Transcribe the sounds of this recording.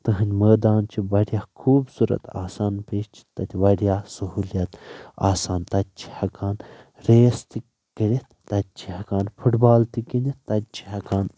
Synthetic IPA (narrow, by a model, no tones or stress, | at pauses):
t̪ɨɦɐnʲməːd̪aːnt͡ʃʰiʋɐɽjaːkʰuːbsuɾɐ̰t̪a̰ːsaːnpeːʃt͡ʃʰi̥t̪ɐt̪ʲʰiʋɐɽjaːsɐɦuːljɐt̪a̰ːsaːnt̪ɐt̪̚t͡ʃʰi̥hɐkaːn | ɾeːst̪i | kɐɽʲit̪t̪ɐt̪̚t͡ʃʰi̥hɐkaːnpʰuʈbaːlt̪ikinit̪ɐt̪̚t͡ʃʰi̥hɐkaːn